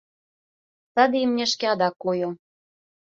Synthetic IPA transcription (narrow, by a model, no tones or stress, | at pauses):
t̪ɑd̪eimnʲĕʃkeɑd̪ɑkːojo